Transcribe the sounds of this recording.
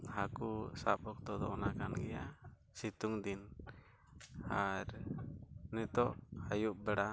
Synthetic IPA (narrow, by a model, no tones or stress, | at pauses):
hakusapɔk̚t̪ɔd̪ɔ̰ʔnakanɡɛja | sit̪uŋd̪in | aɾ | nɛt̪ɔʔhajuʔ̚bɛɽa